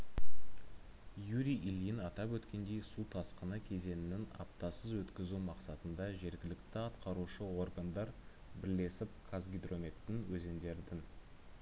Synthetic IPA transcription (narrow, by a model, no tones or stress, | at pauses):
juɾiʔilijɪnɑt̪ɑpwɵt̪kʲe̞nd̪e̞jsut̪ʰɑsqənɑkʲʰe̞ze̞nɪnɪnɑ̰p̚t̪ɑsəzwɵt̪kʲɪzumɑqsɑt̪ənd̪ɑʒe̞ɾɡʲɪlɪkt̪ɪɑt̪qɑɾuʃəwo̞rɡand̪ɑɾ | bɪɾle̞sɪp̚kʰazɡʲijd̪ro̞me̞t̪ːɪnwɵze̞nd̪e̞ɾd̪ɪn